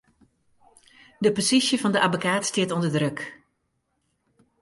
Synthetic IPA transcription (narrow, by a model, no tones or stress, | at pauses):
dəposisjəvɑndəʔabokaːtstɪətɔndədrøk